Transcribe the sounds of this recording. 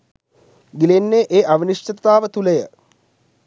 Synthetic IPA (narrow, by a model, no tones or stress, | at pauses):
ɡilenːeːʔeːʔaʋiniʂət̪aːʋət̪uləjə